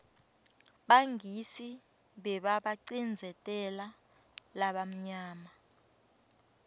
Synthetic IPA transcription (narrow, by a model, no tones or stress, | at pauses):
ɓaŋisi | ɓɛɓaɓaǀind͡zʱɛtʼɛla | laɓam̩ɲaːma